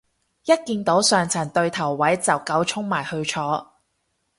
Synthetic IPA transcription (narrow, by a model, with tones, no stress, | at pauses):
jɐ˥t̚kiː˧nt̪o˨˥wsœː˨ŋt͡sʰɐ˨˩nt̪ɵ˧ɥt̪ʰɐ˨˩wːɐ˨˥jt͡sɐ˨wkɐ˨˥wt͡ʃʰʊ˥ŋmaː˨˩jhɵ˧t͡ʃʰɔː˨˥